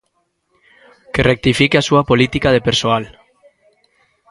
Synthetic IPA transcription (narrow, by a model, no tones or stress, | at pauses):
kerek̚t̪ifikeasuapolit̪ikaðepeɾsoal